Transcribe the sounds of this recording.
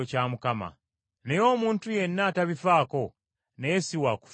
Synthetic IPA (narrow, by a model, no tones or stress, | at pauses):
ocamukama̰ | nejo̞ːmuːntuje̞nːaːtaβifaːko̞ | nejesiwaku̥f